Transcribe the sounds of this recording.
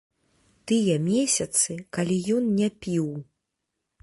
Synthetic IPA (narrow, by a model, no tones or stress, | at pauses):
t̪ɨjɛmʲesʲɐt̪sɨkalʲijɔnnʲɛpʲiw